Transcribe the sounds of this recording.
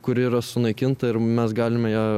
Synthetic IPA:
kʊɾʲɪiːɾɐsʊnɐɪkʲɪnt̪ɐɪɾmʲɛsɡɑːlʲɪmʲɛjæː

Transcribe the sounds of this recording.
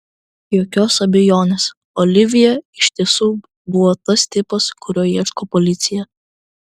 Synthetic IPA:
joːkʲoːsɐbʲɛjoːnʲeːs | ɔːlʲɪʋʲɪjɛɪʃʲt̪ʲiɛsuː | bʊʋɔːt̪ɐst̪ʲɪpɐskʊɾʲoːjiɛʃkopɔlʲɪt̪sʲɪjɛ

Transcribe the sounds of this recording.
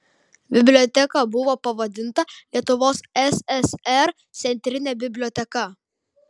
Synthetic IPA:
bʲɪbʲlʲoːt̪ʲɛkɐˑbʊʋoːpɐʋɐd̪ʲɪnt̪ɐlʲiɛt̪ʊʋoːsɛsɛsɛɾ | t̪sʲɛnʲt̪ʲɾʲɪnʲɛbʲɪbʲlʲoːt̪ʲɛkɐ

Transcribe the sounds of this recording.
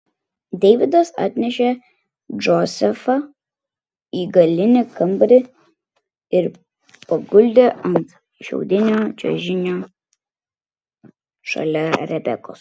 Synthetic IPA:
d̪ʲɛʋʲɪd̪ɐsɑ̰ːt̪ʲnʲɛʃʲe | d͡ʒɔsʲɛfɐ | iːɡɐlʲɪnʲɪkɐmbɾʲɪ | ɪɾ | pɐɡʊlʲd̪ʲeʔɐnt̪ | ʃʲɛ̰ʊd̪ʲɪnʲoːd͡ʒʲɛ̰ʒʲɪnʲoː | ʃɐ̰lʲɛɾʲɛbʲɛ̰ko̰ːs

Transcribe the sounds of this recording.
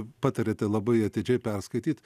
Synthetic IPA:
pɑːt̪ɐɾʲeːt̪ɐɪlˠɐbɐɪɐt̪ʲɪd͡ʒʲɛɪpʲɛrskɐɪt̪ʲiːt̪

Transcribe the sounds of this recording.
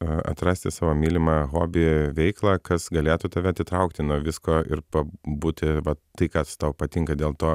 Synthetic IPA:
ɐ̰t̪ɾɑːsʲt̪ʲɪsɑːʋoːmʲiːlʲɪmɑɣoːbʲɪʋʲɛɪklˠɑːkɐsɡɐlʲeːt̪ʊt̪ɐʋʲɛɐt̪ʲɪt̪ɾɐʊkt̪ʲɪnuɔʋʲɪskoːɪ̰ɾpɐbuːt̪ʲɪʋɐt̪ɐɪkɑːst̪ɐʊpɐt̪ʲɪŋkɐd̪ʲeːlˠt̪oː

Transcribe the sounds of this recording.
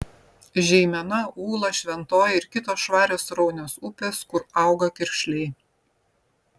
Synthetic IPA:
ʒʲɛɪmʲɛnɐuːlˠɐʃʲʋʲɛnt̪oːjɪɾkʲɪt̪oːsʃʋɑːɾʲoːsɾɔʊnʲoːsʊpʲeːskʊɾɑˑʊɡɐkʲɪɾʲʃʲlʲɛɪ

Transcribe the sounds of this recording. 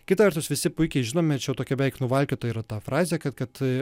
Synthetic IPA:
kʲɪt̪ɐʋʲɛɾt̪ʊsʋʲɪsʲɪpʊɪkʲɛɪʒʲɪnoːmʲɛt͡ʃʲjɛʊt̪oːkʲɛbʲɛʋɛɪknʊʋɐlʲkʲoːt̪oːjiːɾɐt̪ɑːfɾɑːzʲeːkɐt̪kɐt̪

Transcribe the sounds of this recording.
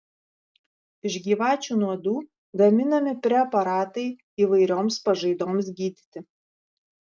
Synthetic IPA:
ɪʒɡʲiːʋɑːt͡ʃʲuːnuɔd̪uː | ɡɐmʲɪnɐmʲɪpʲɾʲɛɐpɐɾɑːt̪ɐɪ | iːʋɐɪɾʲoːmspɐʒɐɪd̪oːmsɡʲiːd̪ʲɪt̪ʲɪ

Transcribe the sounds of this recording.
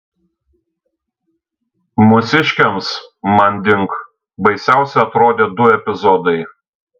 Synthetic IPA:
mʊsʲɪʃʲkʲɛmsmɐnʲd̪ʲɪŋk | bɐɪsʲæˑʊsʲɛɪɐt̪ɾoːd̪ʲeːd̪ʊɛpʲɪzɔd̪ɐɪ

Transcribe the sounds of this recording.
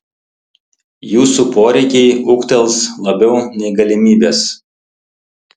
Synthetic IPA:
juːsupoːɾʲɛɪkʲɛɪʊkt̪ʲɛlˠˑslˠɐbʲɛʊnʲɛɪɡɐlʲɪmʲiːbʲeːs

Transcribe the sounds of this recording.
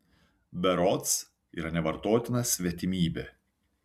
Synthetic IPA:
bʲɛɾɔt̪s | iːɾɐnʲɛʋɐɾt̪oːt̪ʲɪnɐsʲʋʲiɛt̪ʲɪmʲiːbʲeː

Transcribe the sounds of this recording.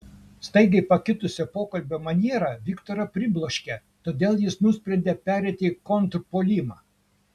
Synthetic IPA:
st̪ɐɪɡ̪ʲɐɪpɐkʲɪt̪ʊsʲɛpoːkɐlʲbʲomɐnʲiɛɾɑʋʲɪkt̪oːɾɐpʲɾʲɪblˠoːʃʲkʲe | t̪oːd̪ʲeːlˠjɪsnʊsʲpʲɾʲɛnʲd̪ʲepʲæːɾʲɛt̪ʲeikont̪ɾpoːlʲimɑː

